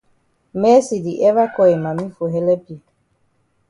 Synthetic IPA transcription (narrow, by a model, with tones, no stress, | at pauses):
mɛ˦si˨di˨ʔɛ˦va˦kɔ˦˨i˨ma˨mi˦fo˨ɦɛ˦lɛ˦pi˨